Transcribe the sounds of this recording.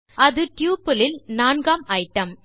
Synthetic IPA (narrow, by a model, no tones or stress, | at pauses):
ɐðɯʈjuːpɐlɪlnaːnɡaːmʔɐɪʈːɐm